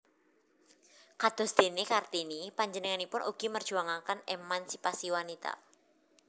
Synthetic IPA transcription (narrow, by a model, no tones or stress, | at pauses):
kad̪̥ɔ̤sd̪̥e̤nekart̪inipaɲd͡ʒənəŋanipʊnʔṵɡ̥imərd̥ʒ̥uaŋakanemansipasiwanit̪a̰